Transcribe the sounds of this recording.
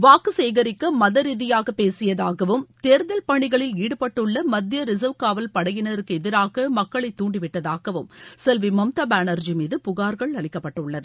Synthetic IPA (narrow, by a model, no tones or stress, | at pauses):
ʋaːkɯseːɣɐɾɪkːɐmɐðɐɾiðɪjaːɣɐpːeːsɪjɐðaːɣɐʋɯmt̪eːɾɯðɐlpɐɳɪɣɐɭɪliːɽɯpɐʈːɯɭːɐmɐd̪jɐɾɪs̬ɐʋkaːʋɐlpɐɽɐjɪnɐðɐɾkɯɛðɪɾaːɣɐmɐkːɐɭɐɪt̪ːuːɳɖɪʋɪʈːɐðaːɣɐʋɯmsɛlʋimɐmt̪aːbaːnɐɾd͡ʒimiːðɯpʊɣaːɾɣɐɭɐɭɪkːɐpːɐʈːɐɯʊɭːɐðɯ